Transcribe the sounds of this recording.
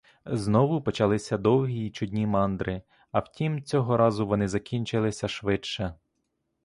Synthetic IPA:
znɔʋʊpɔt͡ʃɐlˠɪsʲɐd̪ɔwɦʲiːt͡ʃʊdʲnʲimɑnd̪ɾɪ | ɐwtʲimt͡sʲɔɦɔɾɑzʊʋɔnɪzɐkʲinʲt͡ʃɪlˠɪsʲɐʃʋɪt͡ʃɛ

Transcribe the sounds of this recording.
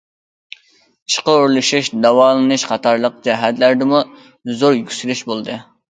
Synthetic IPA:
i̥ʃqəoɾlˠɨʃiʃd̪ɑwɑːlˠɨnɨʃqɑt̪ʰɑɾlˠəq̚d͡ʒɛɦæt̪læɾd̪ɪmu | zoɾjykʲsylyʃbolˠd̪ɨ

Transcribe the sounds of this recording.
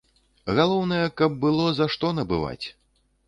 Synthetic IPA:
ɣalˠɔwnɐjɐkɐb̚ːɨlˠɔzaʂt̪ɔnɐbɨ̰va̰t͡sʲ

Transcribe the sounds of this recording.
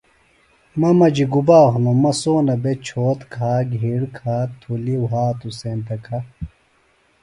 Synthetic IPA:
mɐmɐd͡ʑiɡubaːɦunomɐsoːnɐbet͡ɕʰoːt̪kʰaːɡʱiɽkʰaːt̪ʰuliwɦaːt̪usent̪ɐkʰa

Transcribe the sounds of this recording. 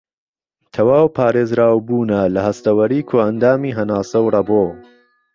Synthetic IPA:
t̪ʰɐwaːwpʰaːɾeːzɾaːwbuːnɐlɐɦɐst̪ɐwɐɾiːkʰoːɐnd̪aːmiːɦɐnaːsɐwrɐboː

